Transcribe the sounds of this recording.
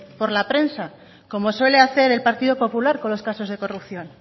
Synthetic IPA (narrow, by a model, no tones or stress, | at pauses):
po̞ɾlapɾe̞nsa | ko̞mo̞swe̞le̞aθe̞ɾe̞lpaɾt̪iðo̞po̞pulaɾko̞nlo̞skaso̞zðe̞ko̞rupθjo̞n